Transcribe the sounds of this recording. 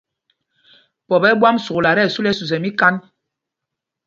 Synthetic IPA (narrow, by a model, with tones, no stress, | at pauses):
pɔ˨bɛ˦bwa˦msu˨la˨ɾɛ˦˨su˦lɛ˦su˨z̬ɛ˨mi˦ka˦n